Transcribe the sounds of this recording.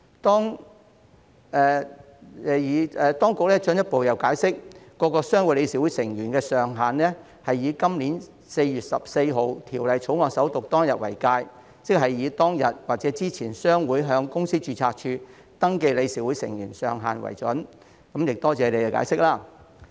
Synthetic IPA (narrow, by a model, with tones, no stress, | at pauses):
t̪ɔː˥ŋ | ɛː˨ | ɛ˨jiː˨˧ɛː˨˧t̪ɔː˥ŋkʊ˨k̚lɛː˥t͡ʃɵ˨˥njɐ˥t̚po˨wjɐ˨wkaː˨˥jsɪ˥k̚ː | ɔː˧kɔː˧sœː˥ŋwu˨˧˥le˨˧jsiː˧˥wu˨˥sɪ˨˩ŋjyː˨˩nkɛː˧sœː˨ŋɦaː˨˩nlɛː˥ | hɐ˨jːiː˨˧kɐ˥mliː˨˥n | se˧jjyː˨t̚sɐ˨p̚se˧jɦo˨wt̪ʰiː˨˩wlɐ˨jt͡sʰo˨˥wŋɔː˨˩ksɐ˨˥wt̪ʊ˨k̚t̪ɔː˥ŋjɐ˨t̚wɐ̰˨˩jkaː˧j | t͡sɪ˥k̚ɦɐ˨jːiː˨˧t̪ɔː˥ŋjɐ˨t̚waː˨k̚t͡sɛː˨˥t͡siː˥t͡sʰiː˨˩nsœː˥ŋwuː˨˥jɦœː˧ŋkʊ˥ŋsiː˥t͡ʃyː˨˧t͡sʰaː˧k̚t͡ʃʰyː˧ | t̪ɐ˥ŋke˧jle˨˧jsiː˨˥wu˨˥jsɪ̰˨˩ŋjyː˨˩nsœː˨ŋɦaː˨nwɐ̰˨˩jt͡sɵ˨˥n | kɐ˨˥mjɪ˨k̚t̪ɔː˥t͡sɛː˨˧le˨˧jɛ˧ka̰ː˨˥jsɪ˥k̚laː˥˩